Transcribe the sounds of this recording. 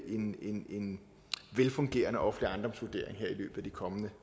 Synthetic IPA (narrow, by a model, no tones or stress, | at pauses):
ʔe̝ne̝ne̝n | ʋelfɔ̽ŋɡ̥e̝̰ːɐnəɒfleiɑ̈nd̥ɒ̽msʋud̥e̝ɐ̰e̝ŋɦeɐ̰ilø̰ːb̥ð̩ˠæd̥ikʰɒ̽mənə